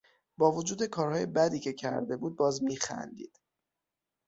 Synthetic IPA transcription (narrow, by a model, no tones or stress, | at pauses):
bɒːvod͡ʒuːd̪e̞kʰɒːɾhɒːje̞bæd̪iːcʰe̞cʰæ̰ɾd̪e̞buːd̪̚bɒːzmiːxæ̰nd̪ḭːd̪̥